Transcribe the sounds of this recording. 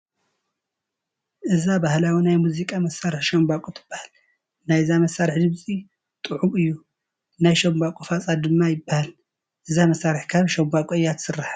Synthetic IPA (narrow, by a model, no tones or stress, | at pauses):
ʔɨzabahlawinajmuzikʼamɐsːaɾɨħʃɐmbakʼut̪ʰɨ̥b̥ːḁhal | najzamɐsːaɾħd̪ɨβsʼi | t̪ʼɨʕumɨjːu | najʃɐmbakʷʼufasʼad̪ɨmːajɪbːahal | ʔɨzamɐsaɾɨħkʰaβʃɐmbakʼɔɨjːat̪ʰsɨrːaħa